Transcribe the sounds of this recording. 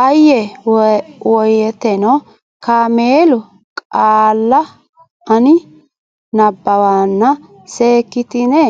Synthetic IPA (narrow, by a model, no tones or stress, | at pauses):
ʔɐjːɛ | wɔjɛt̪ɛnɔ | kaːmeːlʊ | kʼaːlːɐ | ɐnɪ | nɐbːɐwaːnːɐ | seːkːɪt̪ɪnɛ